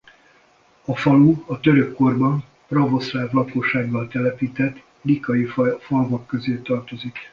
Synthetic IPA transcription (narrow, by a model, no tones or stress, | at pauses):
ɒfɒluɒt̪øɾø̞kːo̞rbɒn | prɒvo̞slaːvlɒko̞ʃːaːɡːɒlt̪ɛlɛpiːt̪ɛt̪ː | likɒjifɒlvokːø̞zeːt̪ɒrt̪o̞zik